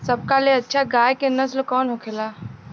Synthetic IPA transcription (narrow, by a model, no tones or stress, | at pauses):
səb̚kaleɐtːʃʰaɡaːjkenəslkɔːnɦokʰelaː